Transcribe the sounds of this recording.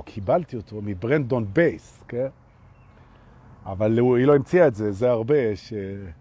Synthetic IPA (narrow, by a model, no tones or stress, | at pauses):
kʰibalt̪iot̪ʰo̞mibʁent̚d̪onbejsken | avaluilo̞imt͡siaetzezeaʁbeʃe